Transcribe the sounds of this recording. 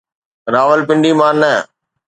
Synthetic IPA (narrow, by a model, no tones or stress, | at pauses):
ɾaːʋəlpɪ̃ɳɖiːmãːnə